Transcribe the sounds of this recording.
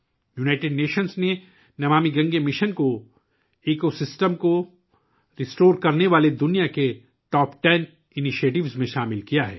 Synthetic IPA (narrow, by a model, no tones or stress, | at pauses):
junaːɪʈeɖneːʃənzne | nɐʋaːmiɡɐ̃ŋɡemɪʃənko | eːkosɪsʈəmko | ɾɪsʈoːɾkɐɾneʋaːled̪ʊnijake | ʈɔːpʈɛn | ɪnɪʃeːʈɪʋzmẽʃaːmɪlkijaɦɛ̰ː